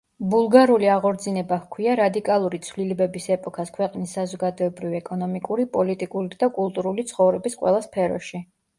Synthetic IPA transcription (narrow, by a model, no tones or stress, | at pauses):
bulˠɡaɾuliaʁɔɾd̪zinɛbakʰwiaɾad̪ikʼalˠuɾit̪sʰvlilɛbɛbisɛpʼɔkʰaskʰwɛqʼnisːazɔɡad̪ɔɛbɾiviɛkʼɔnɔmikʼuɾipʼɔlit̪ʼikʼuɾid̪̥akʼulˠt̪ʼuɾulit̪sʰχɔvɾɛbisqʼwɛ̰lˠaspʰɛɾɔ̰ʃi